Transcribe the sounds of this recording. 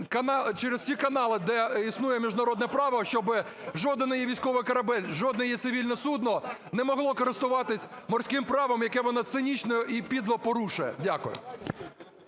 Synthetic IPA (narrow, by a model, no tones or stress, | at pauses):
kɐnɑt͡ʃɛɾez̥sʲikɐnɑlˠɪd̪ɛisnujɛmʲiʒnɐɾɔd̪nɛpɾɑʋɐʃt͡ʃɔbɪ | ʒɔd̪ɪnɪjɛʋʲijsʲkɔʋɪjkɐɾɐbɛlʲʒɔd̪nɛjɛt̪sɪʋʲilʲnɔsud̪nɔɔ | nɛmɔɦlˠɔkɔɾɪst̪ʊʋɑt̪ɪsʲmɔrsʲkɪmpɾɑʋɐmjɐkɛʋɔnɑt̪sɪnʲit͡ʃnɔjʊʔipʲid̪lˠɐpɔɾuʃʊjɛ̰dʲakʊjʊ̰